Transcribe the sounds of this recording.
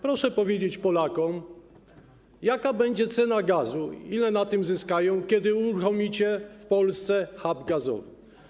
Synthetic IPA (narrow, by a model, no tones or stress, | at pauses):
pɾɔʂɛpɔvʲjed͡ʑet͡ɕpɔlakɔm | jakabɛɲd͡ʑɛt̪sɛnaɡazuilɛnat̪ɘmzɘskajɔ̃w̃kʲɛd̪ɘuɾuxɔmʲit͡ɕɛfpɔlst̪sɛxabɡazɔ̰v